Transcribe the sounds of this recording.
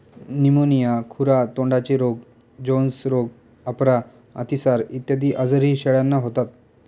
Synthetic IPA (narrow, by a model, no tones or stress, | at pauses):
nimonijakʰuɾat̪õɳɖat͡ɕiɾoɡ̚ | d͡ʑonsɾoɡ | apɾa | a̰t̪isaɾit̪jəd̪iːʔad͡zəɾɦiːɕeɭjanːaɦot̪at̪̚